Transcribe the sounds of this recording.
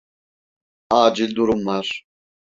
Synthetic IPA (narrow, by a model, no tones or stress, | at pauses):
aːd͡ʒild̪uɾumːaɾ